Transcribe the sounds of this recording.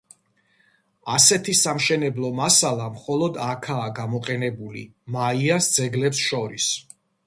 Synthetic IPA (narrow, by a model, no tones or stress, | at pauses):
asɛt̪ʰisamʃɛnɛblˠɔmasalˠamχɔlˠɔd̪akʰaːɡamɔqʼɛnɛbulḭ | maiasd̪zɛɡlɛpsʃɔɾis